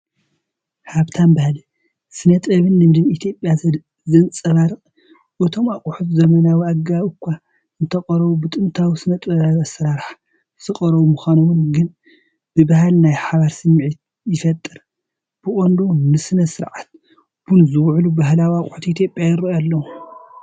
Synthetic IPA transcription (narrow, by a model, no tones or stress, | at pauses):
haβt̪ʰanbahli | sɨnɐt̪ʼɐβɨnːɨmɨd̪ɨmit̪ʰjo̞pʼːjazɐ | zɐnt͡sʼɐβaɾɨχʼ | ʔɨt̪ʰo̞makʼuħut̪zɐmɐnawiaɡaβɨkʷːa | ɨnt̪ʰɐqʼɐɾɐβubɨt̪ʼɨnt̪ʰawisɨnɐt̪ʼɐβaβasɐɾaɾħ | z̥ɨqʼɐɾɐβumuxʷanowɨnɡɨn | b̥ɨbaɦalnajħaβaɾsɨmːʕit̪ | jɪfɐt̪ʼːɨɾ | b̥ɨʔʼond̪unɨsɨnɐsɨɾʕat̪̚ | b̥unzɨwʕlubaɦlawiakʼʊħut̪it̪ʰjopʼjajɨɾɐjalːɐwu